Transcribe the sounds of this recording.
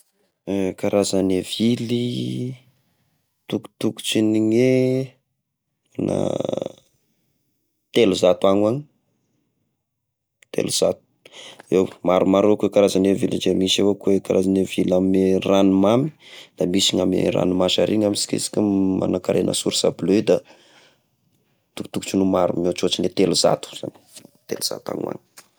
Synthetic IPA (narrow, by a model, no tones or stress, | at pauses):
kaɾazanevili | t̪uku̥t̪uku̥t͡siniɲe | ana̰ | t̪eluzat̪uaŋaɲi | t̪ʰḛluz̥at̪̚u̥ewmaɾumaɾokwekaɾazanevild͡ʒemisawokwekaɾazanevilamiranumami̥d̪amisiɲamḛɾa̰numaʃaɾʔiɲamisi̥kḭzi̥kuma̰nakaɾʔenʔə̰suɾisa̰bløid̪a | t̪uku̥t̪uku̥t͡ʃunumaɾṵmot͡ʃot͡ʃinet̪eluz̥a̰t̪u̥z̥a̰ni̥t̪ḛluz̥a̰t̪a̰ŋa̰ɲi̥